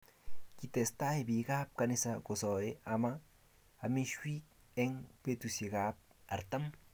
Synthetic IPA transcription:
ki˧t̪e˨st̪a˦ebi˨ɡa˦p̚ka˧ni˧sako˨so˨eʔama | a˨mi˦ʃwi˦k̚ | e˦ŋpe˦t̪use˨ɡa˦p̚a˨ɾt̪a˦m

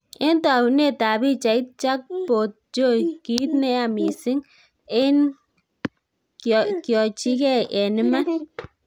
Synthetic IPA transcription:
e˦nta˨ne˦˨ta˨bi˦t͡ʃa˨i˦t̚t͡ʃa˦k̚po˨t̚t͡ʃo˦˨ki˨˦tnɛ˦a˨mi˨sɪ˦ŋ | e˦n | kjɔ˨t͡ʃi˦kɛ˦ʔɛ˨nɪ˦ma˦

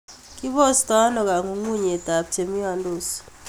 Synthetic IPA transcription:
kʼi˦bɔ˦sta˦nɔ˨k̬a˨ŋu˨ŋu˦˨ɲe˨ta˨p̚tʰe˨mi˦wa˨ndo˨s

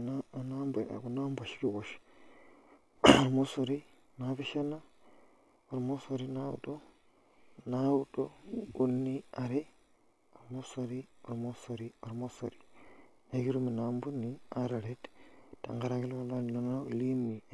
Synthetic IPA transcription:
na˦˨na˦mb̰ku˨na˦mba˨ʃi̥˦ki˦wo˨ʃ | o˨ɾmo˦so˨ɾi˦˨ | na˦bi˦ʃa˦na˦ | o˨ɾmo˦so˨ɾi˦na˦wṵ˨do˦ | na˦wu˦do̰˦u˦nːi˦a˨ɾe˦ | o˨ɾmo˦so˨ɾi˦o˨ɾmo˦so˨ɾi˦o˨ɾmo˦so̰˨ɾi̥˨na˦ɡi˦ɾu˦mi˨na˨mbu˦ni˦a˦ɾa˨ɾe˦tta̰˨ŋɡa˦ɾa˦ɡi˦la˦la˦n˨no˦na˦u˨li˦mi˨

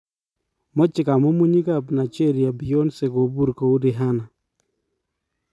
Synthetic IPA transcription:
mɔ˦t͡ʃɪ˨ka˨mo˦mu˦ɲi˦ka˦˨bna˨t͡ʃe˦ɾi˨a˨bi˨jo˦nse˨ɡo˨bu˦ɾko˨u˦ɾi˨ɦa˦na˨

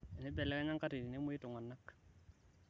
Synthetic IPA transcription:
nɛ˦bɛ˨lɛ˦kɛ˦ɲa˦ŋka˦ti˨ti˨ne˦mu˦i˦tʊ˨ŋa˨nːa˦k

